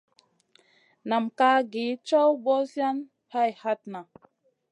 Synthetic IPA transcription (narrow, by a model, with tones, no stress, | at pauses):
na˨mka˦ɡi˨˦t͡ʃa˦wbɔ˦sja˦n | ha˦jha˦t̚na˨